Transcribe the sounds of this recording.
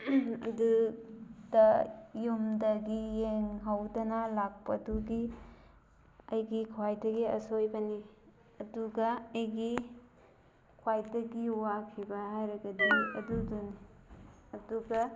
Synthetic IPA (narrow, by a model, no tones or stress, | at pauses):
ɐ̰du | d̥ɐjumdɐɡijeŋɦawdɐnɐlak̚pɐduɡi | ɐjɡikʰwajdɐɡiɐ̰sojbɐni | ɐduɡɐːjɡi | kʰwajdɐɡiwakʰibɐhajɾɐɡɐdiɐ̰duduni | ɐduɡɐ